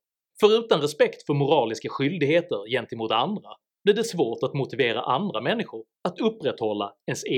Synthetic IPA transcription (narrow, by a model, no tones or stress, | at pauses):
fœɾʉ̟ːt̪anɾɛspɛkt̪fœɾmʊɾɑːlɪskaɧʏld̪ɪɡheːt̪əɾjɛnt̪ɪmuːt̪and̪ɾa | blɪɖɛsvoːʈat̪mʊt̪ɪveːɾa̰ʔand̪ɾamɛnːɪɧʊɾ | at̪ɵpːɾɛt̪hɔlːaɛns